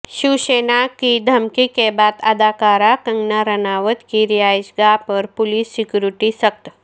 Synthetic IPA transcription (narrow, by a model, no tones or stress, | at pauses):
ʃuʃeːnakid̪ʱɐmkikebaːd̪ɐd̪ʱaːkaːɾakɐ̃ŋɡnaɾɐnaːʋət̪kiɾijaːjʃɡaːpɔɾpʊliːsːɪkjuɾɪʈisɐk̚t̪